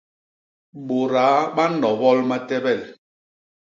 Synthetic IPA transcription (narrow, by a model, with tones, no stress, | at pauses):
ɓo˨ɾaː˨˦ɓa˦nɔ˨bɔ˦lma˦tɛ˦bɛ˦˨l